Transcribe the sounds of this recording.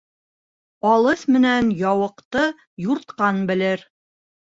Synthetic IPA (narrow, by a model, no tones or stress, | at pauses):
ɑlˠɤθmɘ̆nænjɑwɤ̆qt̪ɤ | juɾt̪qɑnbɘ̆lɘɾ